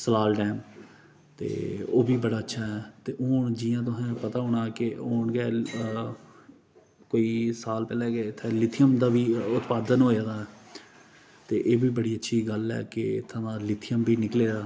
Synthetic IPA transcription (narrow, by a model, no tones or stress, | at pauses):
səlaːlɖɛːm | t̪ḛːoːbiːbəɽaːətːʃʰaːɦɛːt̪eːʔoːɳd͡ʒɪːjãːt̪ʊɦɛ̃ːpət̪aːɦoːɳ̃aːkɪoːɳɡɛː | koːiːsaːlpɛːlɛːɡɛːɪt̪ʰːelɪt̪ʰɪjəmd̪aːbiːʊt̪paːd̪ənɦoːaːd̪aːɛː | t̪eːʔeːbiːbəɽiːətːʃʰiːɡəlɛ̰ːkɪt̪ʰːãnãːlɪt̪ʰɪjəmbiːnɪkleːɾaː